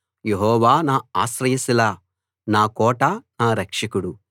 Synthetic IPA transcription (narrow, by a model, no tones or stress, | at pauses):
jeɦɔːʋaːnaːaːsɾɐjɐsilaː | naːkɔːʈanaːɾɐkʂɐkuɽu